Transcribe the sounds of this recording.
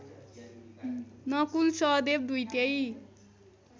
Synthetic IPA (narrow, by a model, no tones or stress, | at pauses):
nʌkulsʌd̪eb̚d̪ujt̪ej